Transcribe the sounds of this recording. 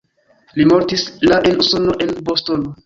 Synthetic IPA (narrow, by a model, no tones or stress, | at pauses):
limo̞ɾtislaʔenuso̞no̞ʔe̞nbostono